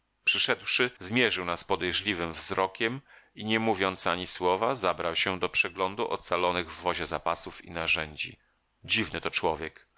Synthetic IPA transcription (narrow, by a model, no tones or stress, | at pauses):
pʂɘʂɛd̪wʂɘzmʲjɛʐɘwnaspɔd̪ɛjʐlʲivɘmvzɾɔkʲɛmiɲɛmuvʲjɔnt̪saɲiswɔvazabɾawɕɛd̪ɔpʂɛɡlɔnd̪uʔɔ̰t̪salɔnɘɣvːɔʑɛzapasufḭnaʐɛɲd͡ʑḭ | d͡ʑivnɘt̪ɔt͡ʂwɔvʲjɛk